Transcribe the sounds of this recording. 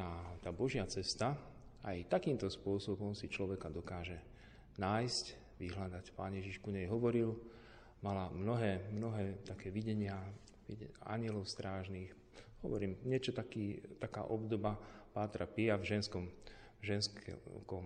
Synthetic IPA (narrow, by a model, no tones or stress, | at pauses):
at̪aːbɔʒɪat͡sɛst̪a | ajt̪akiːmt̪ɔspʊɔsɔbɔmsit͡ʃlɔʋɛkad̪ɔkaːʒɛ | naːjsc | ʋiɦlad̪acpaːnjɛʒiʃkuɲɛjɦɔʋɔɾil | malamnɔɦɛːmnɔɦɛːt̪akɛːʋiɟɛɲɪa | ʋia̰ɲɪɛlɔʊst̪ɾaːʒniːx | hɔʋɔɾiːmɲɛt͡ʃɔt̪akiːt̪aka̰ːʔɔbd̪ɔbapaːt̪ɾapiavʒɛnskɔm | ʒɛnskkɔm